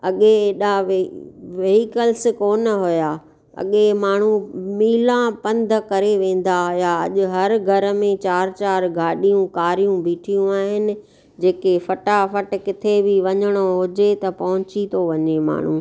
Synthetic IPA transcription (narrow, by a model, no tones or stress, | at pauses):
ɐɠeeɗa | ʋeːɦikəls̆koːnɦʊjaː | ɐ̰ɠemaːɳ̤umiːlãpɐ̃nd̪ʱəkɐɾeʋẽːn̆d̪aɦʊjaɐ̰ʄʊɦɐɾɡʱɐɾə̆mẽt͡ɕaːɾt͡ɕaːɾɡʱaːɗijũkaːɾijũbiːʈʰijũaːɦɪnɪ̆ | d͡ʑeːkefɐʈafɐʈ̆kɪt̪ʰebʱiʋɐɲəɽ̃oɦʊd͡ʑet̪ɐpɐɦʊ̃t͡ɕit̪ʰoʋɐɲema̰ːɳ̤ũː